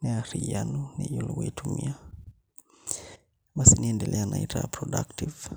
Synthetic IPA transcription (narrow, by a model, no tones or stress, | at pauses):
nɛaɾijanunijuliɣuitʰumia | basiniɛndɛlɛanaitʰapɾɔɗa̰ktiv